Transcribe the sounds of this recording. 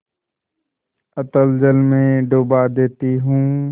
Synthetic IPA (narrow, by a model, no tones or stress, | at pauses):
ət̪əld͡ʒəlmẽɖoːbad̪eːt̪iɦũː